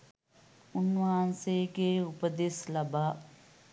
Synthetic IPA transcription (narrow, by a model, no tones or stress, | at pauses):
unːuaːnseɡeːupəd̪eslɐbaː